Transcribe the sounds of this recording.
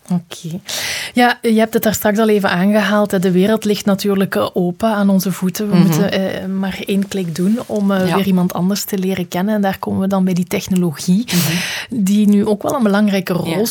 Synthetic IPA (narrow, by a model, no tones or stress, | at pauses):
okʰeːjaːjəɦɛp̚tətaːrstrɑksɑlˠeːvənʔaːnɣəɦaːlˠtɦɛdəʋeːɾəlˠtlɪxtnatyːrləkoːpəaːnɔnzəvutəʋəmutəmaːreːnklɪkdunɔmʋɪːrimɑntɑ̰ndərstəleːɾəkɛnənɛndaːrkoːməʋədɑnbɛjditɛxnoloɣi | dinyʔoːkʋɛ̰lˠənbəlɑŋrɛjkərɔlˠ